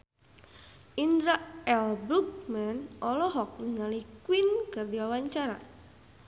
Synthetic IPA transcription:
ʔind̪ɾaɛlbuk̚manʔɔlɔɦɔk̚nəŋalikwinkərdiwawaɲt͡ʃaɾa̰

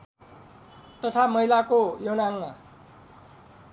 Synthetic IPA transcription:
t̪ʌt̪ʰamʌɦilakojonaŋma

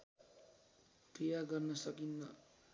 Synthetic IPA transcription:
prijaɡʌrnʌsʌkinːʌ

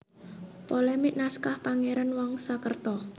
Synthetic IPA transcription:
polɛmɪʔ̚naskahpaŋeɾanwɔŋsakərt̪ɔ

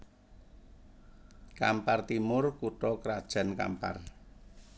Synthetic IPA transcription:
kampart̪imʊrkuʈɔkɾad̥ʒ̥ä̤nka̰mpa̰r

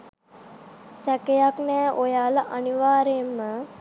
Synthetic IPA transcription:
sækejaknɛːʔojaːləʔaniʋaːɾemːə

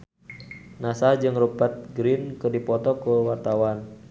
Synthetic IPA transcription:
nasad͡ʒɨŋrupat̪̚ɡɾinkɨrdipɔt̪ɔkuwart̪awan

